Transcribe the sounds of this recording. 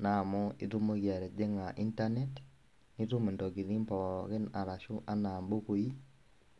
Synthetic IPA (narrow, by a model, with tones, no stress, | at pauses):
na˨mɔ˦ḛ˦tu˦mo˦ɣja˨ɾɛ˨d͡ʒe˦ŋa˨ʔi˦nta˦nɛ˦t | ni˦tu˦me˨ndɔ˨ɣi˨ði˦mpa˨wa˨ɣe˦na˨ɾa˨ʃu˦ʔa˦naː˨mbo˦ko˨i˦